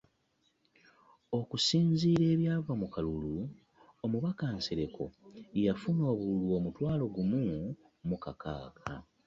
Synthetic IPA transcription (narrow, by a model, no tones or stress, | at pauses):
o̞kusiːnziːɾe̞ːβjaːvamukalulu | omuβakanseɾe̞kʰo̞̰jafuno̞ːβululuo̞mutwaːlo̞ɡumu | mukaka̰ːkʰa̰